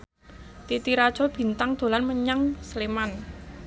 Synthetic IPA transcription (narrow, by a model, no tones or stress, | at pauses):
t̪it̪iɾad̥ʒ̥ɔ̤b̥i̤nt̪aŋd̪̥o̤lanməɲaŋsleman